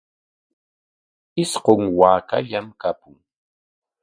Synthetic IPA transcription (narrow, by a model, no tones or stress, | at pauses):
ɪsqoŋwaːkaʎamkapʊŋ